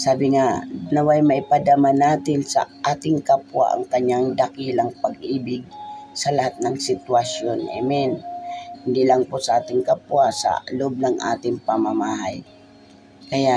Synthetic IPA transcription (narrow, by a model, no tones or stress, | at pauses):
saːbɪŋanɐwajmɐʔɪpad̪amanaːt̪ɪnsɐ̰ʔaːt̪ɪŋkapwa̰ʔɐ̰ŋkɐɲːaŋd̪ɐkilɐŋpɐɡʔiːbɪɡ̚sɐlɐhat̪̚nɐŋsɪt̪wɐsjonʔɛ̰mɛnhɪnd̪ilaŋposɐʔaːt̪ɪŋkapwasɐ̰lob̚nɐŋʔa̰ːt̪ɪŋpɐmamaːɦaj | kɐjaʔ